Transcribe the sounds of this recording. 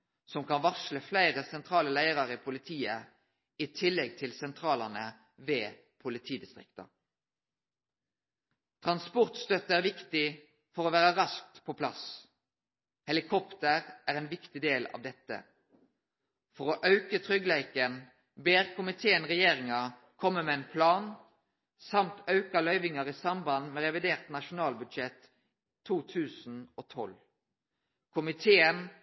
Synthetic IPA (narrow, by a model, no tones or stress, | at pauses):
sɔmkɑnʋɑʃləflæɪʁəsɛnt̪ʰʁɑːləlæɪəʁɑʁipʰʊlɪt̪ʰiːə | it̪ʰɪlːɛɡ̚t̪ʰɪlsɛnt̪ʰʁɑːləʁnə | ʋeː | pʰʊlɪt̪ʰiːd̪ɪst̪ʁɪ̰kt̪ɑ̰ | t̪ʰʁɑnspɔʁt̪st̪œt̪əæːʁʋɪkt̪ɪ | fɔʁoːʋæːʁəʁɑsk̚t̪pʰoːpʰlɑ̰s | hɛlɪkʰɔpt̪əʁʔæːʁɛːnʋɪkt̪ɪd̪eːlɑ̰ʋd̪ɛt̪ːə̰ | fɔʁoːʔœʉkət̪ʰʁʏɡlæɪkən | beːʁkʊmɪt̪ʰeːənʁɛjeːʁɪŋɑ | kʰɔmːəmɛɛɪnpʰlɑːn | sɑmt̪ɑʉkɑlœʏʋɪŋɑʁisɑmbɑnmɛʁɛʋɪd̪eːʁt̪nɑʃʊnɑːlbʉd̪ʃɛt̪ʰː | uːt̪ʰʉːsn̩oːt̪ʰɔ̰l | kʰʊmɪt̪ʰeːən